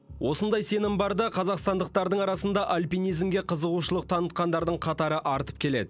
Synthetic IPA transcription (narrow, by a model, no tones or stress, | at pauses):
wʔo̞sənd̪ɑjse̞nɪmbɑɾd̪ɑqʰɑzɑqst̪ɑnd̪əq̚t̪ɑɾd̪əɴɑɾɑsənd̪ɑʔalʲpʲijnijzmɡʲe̞qʰəzəʁuʃəlˠəq̚t̪ʰɑnət̪̚qɑnd̪ɑɾd̪əɴqʰɑt̪ɑɾəʔɑɾt̪ə̥p̚kʲʰe̞le̞d̪ɪ